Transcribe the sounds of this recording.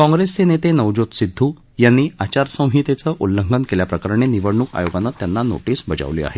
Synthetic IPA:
kɔ̃ŋɡɾest͡senet̪enəʋd͡ʑot̪sid̪ʱːu | janːiːat͡ɕaɾsə̃w̃ɦit̪et͡səʔulːəŋɡənkeljapɾəkəɾɳeniʋəɽɳuːka̰joɡanːat̪ːjanːano̰ʈiːsbəd͡za̰ʋlḭːa̰ɦe

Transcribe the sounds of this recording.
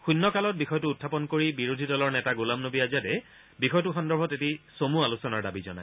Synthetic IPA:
xunːɔkalɔt̚bixɔjtuːtʰːapɔnkoɹibiɹodʱidɔlɔɹnɛtaɡulamnobiazadɛ | bixɔjtʊxɔndɔɹbʱɔtetisomualusɔnaɹdabizɔ̰na̰j

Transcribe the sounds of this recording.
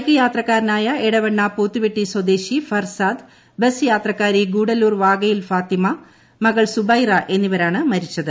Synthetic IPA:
ɐkːɐjaːt̪rɐkːaːɾnaːjɐeɽɐʋɐɳːapuːt̪ːiʋeʈːiswɐd̪eːɕifɐrsaːd̪ | besjaːt̪rɐkːaːɾiɡuːɽɐluːrʋaːɡɐjilfaːt̪imɐ | mɐɣɐɭsubɐjrɐʔe̞nːiʋɐɾaːɳɨmɐɾit͡ɕːɐðɨ

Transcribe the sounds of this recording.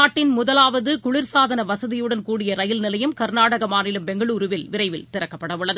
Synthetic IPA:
aːʈːɪnmʊðɐlaːʋɐðɯkʊɭɪɾsaːðɐnɐʋɐsɐðɪjɯɽɐnkuːɽɪjɐɾɐjɪlnɪlɐjɯmkɐɾnaːɽɐɣɐmaːnɪlɯmpɛŋɡɐɭuːɾɯʋɪlʋɪɾɐɪʋɪlt̪ɪɾɐkːɐpːɐɽɐʋɯɭːɐðɯ

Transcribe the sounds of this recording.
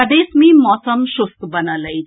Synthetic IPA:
ɐɖeːsmĩmɔːsəmʃʊskbənələid͡ʒ

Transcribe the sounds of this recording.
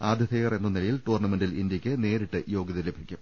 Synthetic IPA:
aːd̪ʱjɐt̪ʰejɐre̞nːɐnilɐjilʈuːrɳɐmenɖilind̪jɐkʲːɨne̞ːɾiʈːɨjo̞ːɡɐðɐlebʱikʲːum

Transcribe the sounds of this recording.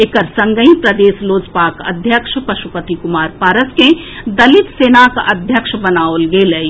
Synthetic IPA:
ekəɾsɐ̃ŋɡəĩpɾɐd̪eːsloːd͡ʒpaːkɐ̰d̪ʱjəkʃpɐʃupət̪ikʊmaːɾpaːɾəskẽ | d̪ɐlɪt̪seːnakʔɐd̪ʱjəkʃbɐnaːolɡeːlei

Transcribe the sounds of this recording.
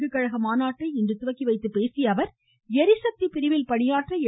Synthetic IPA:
ɡɯkːɐɻɐɣɐmaːnaːʈrɐɪɛndrɯt̪ʊʋɐkːiʋɐɪt̪ːɯpeːsɪjɐʋɐɾ | ɛɾɪsɐk̚t̪ipɪɾɪʋɪlpɐɳɪjaːʈrɐɛ

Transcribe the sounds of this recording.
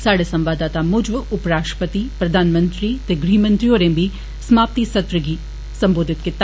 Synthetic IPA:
saːɽesɐ̃mʋaːd̪aːt̪amʊd͡ʒʋʊpɾaːʂə̥pət̪ipɾɐd̪ʱaːnmə̃nt̪ɾit̪eɡɾiːmə̃nt̪ɾioːɾẽːmbʱi | sɐmaːp̚t̪isɐt̪ɾəɡiː | sɐ̃mboːd̪ʱɪt̪kɪt̪ː

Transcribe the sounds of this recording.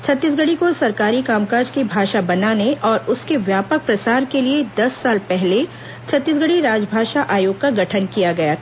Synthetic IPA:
t͡ʃʰɐt̪ːiːsɡəɽikosɐɾkaːɾikaːmkaːd͡ʒkibʱaːʃabɐnaːneʔɔːɾʊskeʋjaːpək̚pɾɐsaːɾkelied̪ɐsːaːlpɛɦle | t͡ʃʰɐt̪ːiːs̬ɡəɽiɾaːd͡ʒbʱaːʃaʔaːjoːɡ̚kaɡʱɐʈʰənkijaɡɐjaː

